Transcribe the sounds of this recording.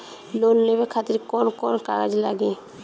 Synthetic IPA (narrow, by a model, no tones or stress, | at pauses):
lonlebekʰat̪iɾkɔnkɔnka̰ɡad͡ʒilaɡi